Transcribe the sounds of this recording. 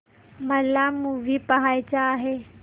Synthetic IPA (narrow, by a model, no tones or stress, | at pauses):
məlamũːʋʱipaɦaːjt͡ɕaːɦeː